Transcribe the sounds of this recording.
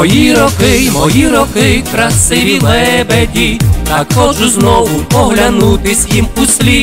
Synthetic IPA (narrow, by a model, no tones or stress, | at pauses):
ɔjiɾɔkɪmɔjiɾɔkɪkɾɐsɪʋʲilˠɛbedʲit̪akɔʒʊznɔʋʊɔɦlʲanut̪ɪsʲjimusʲlʲi